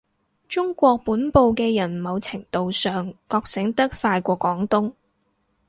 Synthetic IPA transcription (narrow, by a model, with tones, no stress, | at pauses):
t͡ʃʊ˥ŋkʷɔː˧k̚puː˨˥npo˧wkɛː˧jɐ˨˩nmɐ˨˧wt͡sʰɪ˨˩ŋt̪o˨wsœː˨ŋkɔː˧k̚sɪ˨˥ŋt̪ɐ˥k̚faː˧jkʷɔː˧kːʷɔː˨˥ŋt̪ʊ˥ŋ